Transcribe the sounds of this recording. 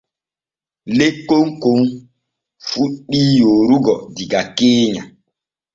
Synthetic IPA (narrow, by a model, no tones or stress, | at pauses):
lekoŋkoŋ | fuɗijoɾuɡɔdiɡakeːɲa̰